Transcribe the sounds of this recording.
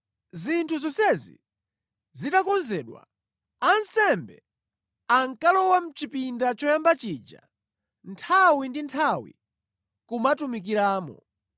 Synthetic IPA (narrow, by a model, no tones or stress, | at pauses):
zintʰuzɔsɛzḭ | zitakɔnzɛːɗwa̰ | ansɛmbɛ̰ | aŋkalɔwam̩t͡ʃipindat͡ʃɔjambat͡ʃid͡ʒa̰ | ntʰawindintʰawḭ | kumatumik̬iɾaːmɔ̰